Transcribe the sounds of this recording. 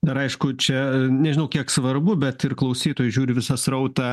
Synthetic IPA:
d̪ɐɾɐɪʃkʊt͡ʃʲɛnʲɛʒʲɪnɐʊkʲiɛksʋɐrbʊbʲɛt̪ɪrklˠɐʊsʲiːt̪oːjʊʒʲuːɾʲɪʋʲɪsɐsɾɐʊt̪ɑ

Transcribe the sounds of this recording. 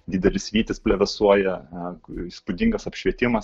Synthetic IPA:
d̪ʲɪd̪ʲɛlʲɪsʋʲiːt̪ʲɪspʲlʲɛʋʲɛsuɔjɛ | ispʊd̪ʲɪŋɡɐsɐpʲʃʲʋʲiɛt̪ʲɪmɐs

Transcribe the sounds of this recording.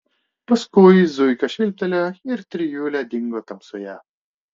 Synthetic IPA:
pɐskʊjzujkɐʃɪlʲp̚t̪ɐlʲaɪɾt̪ɾijuːlʲad̪ʲiŋɡot̪ɐmsuja̰ː

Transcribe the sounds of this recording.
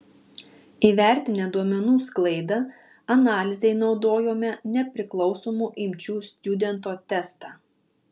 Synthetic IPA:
iːʋʲæˑɾʲt̪ʲɪnʲɛd̪uɔmʲɛnuːsklˠɐɪd̪ɐ | ɐnɑːlʲɪzʲɛɪnɒʊd̪oːjoːmʲɛnʲɛpʲɾʲɪklˠɒʊsoːmuːʔɪmʲt͡ʃʲuːsʲt̪ʲʊd̪ʲɛnt̪oːt̪ʲɛst̪ɑː

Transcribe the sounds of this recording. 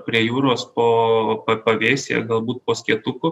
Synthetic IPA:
pʲɾʲiɛjuːɾoːspoːpɐpɐʋʲeːsʲḛɡɐlˠbuːt̪̚poːsʲkʲiɛt̪ʊkʊ

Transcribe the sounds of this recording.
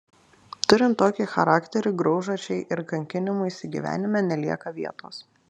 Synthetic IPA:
t̪ʊɾʲɪnt̪oːkʲixɐɾɑːkt̪ʲɛɾʲɪɡɾɒʊʒot͡ʃʲɛɪʔɪɾkɐŋʲkʲɪnʲɪmuːiːsʲɪɡʲḭːʋʲæ̰ːnʲɪmʲɛːnʲɛlʲiɛkɐʋʲiɛt̪o̰ːs

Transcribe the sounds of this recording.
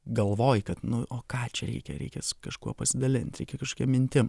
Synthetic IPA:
ɡɐlˠʋoːjkɐt̪nʊʔoːkɑːt͡ʃʲɛɾʲɛ̰ɪkʲɛ̰ɾʲɛ̰ɪkʲɛːskɐʃkuɔpɐsʲɪd̪ɐlʲɪnʲt̪ʲɾʲɛɪkʲɛkɐʃkoːkʲiɛmʲɪnʲt̪ʲɪm

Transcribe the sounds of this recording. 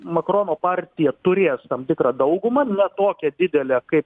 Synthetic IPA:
mɐkɾoːnoːpɑːɾʲt̪ʲɪjɛt̪ʊɾʲeːst̪ɐmt̪ʲɪkɾɑd̪ɐʊɡʊmɐnʲɛt̪oːkʲɛd̪ʲɪd̪ʲɛlʲɛkɐɪp̚

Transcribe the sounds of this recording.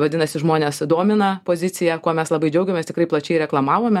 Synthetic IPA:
ʋɐd̪ʲɪnɐsʲɪʒmoːnʲeːsd̪oːmʲɪnɐpoːzʲɪt̪ʲɪjɛkuɔmʲɛslˠɐbɐɪd͡ʒʲɛʊɡʲɛmʲɛːst̪ɪkrɐɪplˠɐt͡ʃʲɛɪɾʲɛklˠɐmɑːʋoːmʲɛ

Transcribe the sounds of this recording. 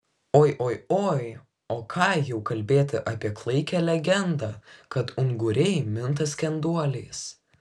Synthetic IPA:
oːjʔoːjoːj | oːkʰɑːjɛʊkɐlʲbʲeːt̪ʲɪʔɑːpʲiɛklˠɐɪkʲɛlʲɛɡʲɛnd̪ɑːkɐt̪ʊŋɡʊɾʲɛɪmʲɪnt̪ɐsʲkʲɛnd̪uɔlʲɛɪs

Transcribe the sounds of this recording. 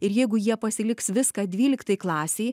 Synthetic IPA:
ɪɾjɛɪɡʊjiɛpɐsʲɪlʲɪksʋʲɪskɑd̪ʲʋʲiːlʲɪkt̪ɐjklˠɑːsʲeɪ

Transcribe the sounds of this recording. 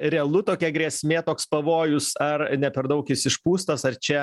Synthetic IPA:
ɾʲɛɛlˠʊt̪oːkʲɛɡɾʲiɛsʲmʲeːt̪oːkspɐʋoːjʊssɐrnʲɛpʲɛɾd̪ɐʊkʲɪsɪʃpuːst̪ɐsɐrt͡ʃʲɛ

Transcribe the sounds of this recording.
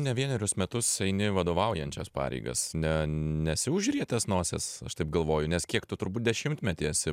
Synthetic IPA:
nʲɛʋʲiɛnʲɛɾʲʊsmʲɛt̪ʊsɛɪnʲɪʋɐd̪oːʋɐʊjɛnʲt͡ʃʲɛspɑ̰ːɾʲɛ̰ɪɡɐ̰snʲɛnʲɛsʲɪʊʒʲʊɾʲiɛt̪ʲɛsnuɔsʲɛsɐʃt̪ɐɪpɡɐlˠʋoːjʊnʲɛskʲiɛkt̪ʊt̪ʊɾbuːt̚d̪ʲɛʃʲɪmt̪ʲmʲɛt̪ʲiɛsʲɪ

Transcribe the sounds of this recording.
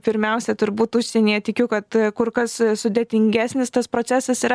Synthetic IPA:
pʲɪɾʲmʲɛʊsʲɛt̪ʊɾbuːt̪ʊʃʲsʲɛnʲijɛt̪ʲɪkʲʊkɐt̪kʊrkɐssʊd̪ʲeɛt̪ʲɪŋʲɡʲæːsʲnʲɪst̪ɐspɾoːt͡sʲæːsɐsiːɾɐ

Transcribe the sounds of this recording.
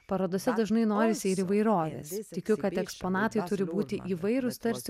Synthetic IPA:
pɐɾoːd̪oːsʲɛd̪ɐʒnɐɪnoːɾʲɪsʲiɾiːʋɐɪɾoːʋʲḛːst̪ʲɪkʲʊkɐt̪ɛkspoːnɑːt̪ɐɪt̪ʊɾʲɪbuːt̪ʲɪʔiːʋɐɪɾʊst̪ɐɾʲsʲ

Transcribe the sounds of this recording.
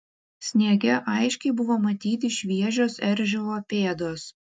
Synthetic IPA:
sʲnʲiɛɡʲɛʔɐɪʃʲkʲɛɪbʊʋoːmɐt̪ʲiːt̪ʲɪʃʲʋʲiɛʒʲoːsɛɾʲʒʲɛoːpʲeːd̪oːs

